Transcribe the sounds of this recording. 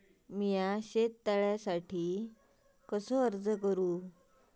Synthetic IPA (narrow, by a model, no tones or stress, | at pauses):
mijaɕet̪ːaɭjasaʈiː | kəsɔəɾd͡zəkəɾũː